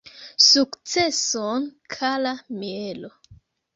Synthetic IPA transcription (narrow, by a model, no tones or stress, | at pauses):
sukt͡se̞sonkʰalamielo